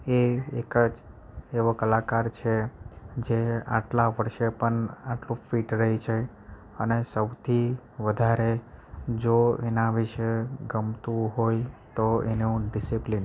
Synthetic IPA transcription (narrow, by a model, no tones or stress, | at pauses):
eekəd͡ʒ | eʋokəlakaɾt͡ʃʰed͡ʒea̰ʈlaʋəɾʃepəɳaʈlũfiʈɾəɦit͡ʃʰe | ənesəwt̪ʰi | ʋəd̪ʱaɾed͡ʒoenaʋiʃeɡəmt̪ũɦojt̪oeneũɖisiplin